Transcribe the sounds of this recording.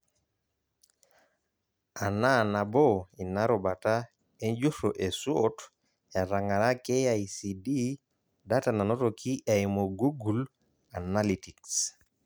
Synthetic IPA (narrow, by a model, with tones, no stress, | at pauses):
a˨na˦na˨bo˦i˨na˦ɾo˨ba˨ta˦ | e˦nd͡ʒu˦so˨ʔe˨su˦ot | a˨ɾa˨ŋa˨ɾa˦ke˦ja˦i˨si˨di˦ | da˦ta˨na˨no˦to˨kʰi˦ʔa˨imo˨ɡu˦ɡu˨l | a˨na˦li˨ti˨ks